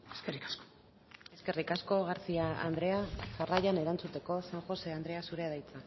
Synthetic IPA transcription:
eskerikḁsko̥ | e̞ske̞rikasko̞ɣaɾt͡siaa̰nd̪ɾe̞aʝarajane̞ɾant͡sut̪e̞ko̞saŋxo̞se̞and̪ɾe̞asuɾe̞ðajt͡sa

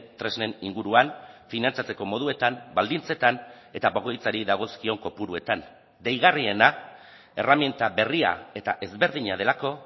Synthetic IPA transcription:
t̪ɾe̞zne̞niŋɡuɾuanfinant͡sat͡se̞ko̞mo̞ð̞ue̞t̪ambald̪int͡se̞t̪an | e̞t̪aβoɣo̞jt͡saɾiðaɣ̞o̞skio̞ŋko̞puɾue̞t̪an | d̪e̞jɣarie̞na | e̞ramjent̪aβe̞ria̰e̞t̪aʔe̞zβe̞ɾð̞iɲað̞e̞lako̞

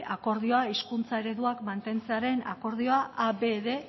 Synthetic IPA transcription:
ako̞ɾðio̞aiskunt͡sae̞ɾe̞ðuakmant̪e̞nt͡seaɾe̞na̰ko̞ɾðio̞aʔabe̞ðe̞

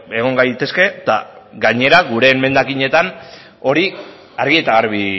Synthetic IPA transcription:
e̞ɣ̞o̞ŋɡajt̪e̞ske̞t̪a̰ɡaɲe̞ɾaɣuɾe̞me̞nd̪akiɲe̞t̪an | o̞ɾi | aɾɣie̞t̪aɣaɾβi

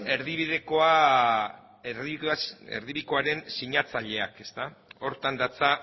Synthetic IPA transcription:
e̞ɾðiβiðe̞ko̞a | eɾiaḛɾðiβiko̞aɾe̞nsiɲat͡saʎe̞ake̞st̪ao̞ɾt̪and̪at͡sa

